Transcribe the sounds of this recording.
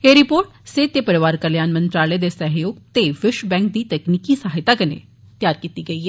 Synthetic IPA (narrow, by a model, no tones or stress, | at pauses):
eːɾɪpoːɾʈset̪ːepəɾɪʋaːɾkəɾljaːnmə̃nt̪ɾaːled̪esəɦjoːɡt̪eʋɪʃbɛ̃ːŋk̚d̪iːt̪ɛːkniːkisaːɦɪt̪aːkɐnḛː | t̪jaːɾkiːt̪iːɡəiːɦɛː